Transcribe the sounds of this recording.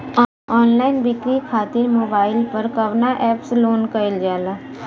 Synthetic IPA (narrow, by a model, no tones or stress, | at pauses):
ɔːnlaːɪnbɪkɾikʰaːt̪ɪɾmoːbaːɪlpɐɾkɐʋnaʔɛːpsloːnkɐɪld͡ʒaːlaː